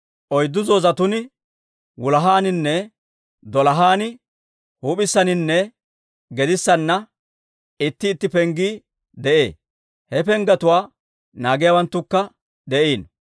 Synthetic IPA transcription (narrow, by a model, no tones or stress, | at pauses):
ʔɔjd̪ːʊzoːzɐt̪ʊnɪ | wʊlɐɦaːnɪnːɛ | d̪ɔlɐɦaːnɪ | hupɪsːɐnɪnːɛ | ɡɛd̪ɪsːɐnːɐ | ɪt̪ːɪːt̪ːɪpɛŋɡiː | d̪ɛʔe̞̰ː | hɛpɛŋɡɐt̪ʊwaː | naːɡɪjawɐnt̪ːʊkːɐ | d̪ɛʔiːn